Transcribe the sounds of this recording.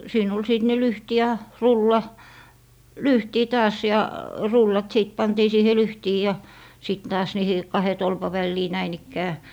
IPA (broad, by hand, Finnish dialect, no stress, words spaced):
siːn ol siˑt ne lyhti jɑ rulːɑ lyhtiː tɑːs jɑ rulːɑt siˑt pɑntiː siːhe lyhtiː jɑ sit tɑːs niːhi kɑhe tolpɑ ʋælːiː næin ikːæː